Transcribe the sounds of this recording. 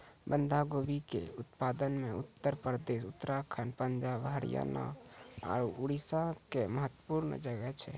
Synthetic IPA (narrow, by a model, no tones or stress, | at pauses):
bənd̪ʱaɡobikḛut̪pad̪ənmẽut̪ːəɾpɾd̪eʃut̪ːəɾakʰanpəɲd͡ʒaːbɦəɾḭja̰na̰ɔ̰ːɾuuɽisakeməɦət̪ːə̥puɾn̰d͡ʒəɡɛt͡ʃʰɛ̰